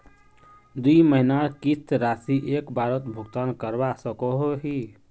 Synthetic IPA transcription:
d̪uiməɦinaɾkit̪ɾasiʔekbaɾət̪bʱuɡt̪ankəɾbasəkɔɦoɦi

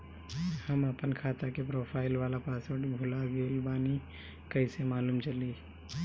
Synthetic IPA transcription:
həməpənkʰat̪akepɾopʰaːɪlʋalapasəʈbʱulaɡelbaːni | kəɪsemaːlumt͡ʃəli

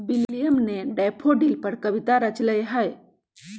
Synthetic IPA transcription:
billijəmneɖɛpʰoɖilpəɾkəʋit̪aɾət͡ʃləjeɦəj

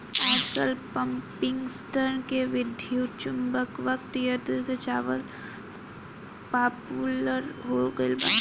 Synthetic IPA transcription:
aːkəlpəmpɪ̃ŋɡsʈənkeʋɪd̪ʱjut͡ʃʊmbəkʋək̚t̪jət̪əset͡ʃaːʋəl | paːpuləɾɦoɡəɪlba

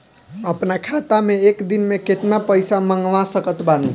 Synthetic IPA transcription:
əpnakʰat̪ameekd̪inmeket̪napəjsaməŋɡʋãsəkət̪bani

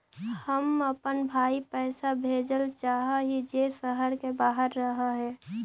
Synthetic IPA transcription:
həməpənbʱaːipɛːsabʱeːd͡ʒəlt͡ʃaːɦaɦid͡ʒesəɦəɾkebaːɦəɾːəɦaɦɛː

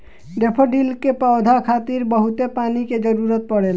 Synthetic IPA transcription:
ɖepʰəɖilkepəwd̪ʱakʰat̪iɾbəɦut̪epaniked͡ʒəɾuɾət̪̚pəɽel

